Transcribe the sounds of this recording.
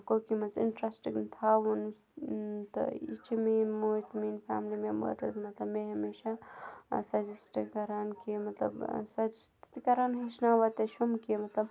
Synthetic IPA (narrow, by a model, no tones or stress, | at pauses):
koːkimɐzḭnʈɾaːsʈiknt̪ʰaːwun | t̪ɐ̰ḭt͡ʃʰimenmojt̪miːnfa̰ːmlimembɐ̰ɾɐzmɐt̪lɐbmeɦɐmeːʃa | sɐzisʈikɐɾaːnkimɐt̪lɐ̰bsɐzist̪it̪ikɐɾaːnɦiʃnaːʋɐt̪eʃumkimɐt̪lɐb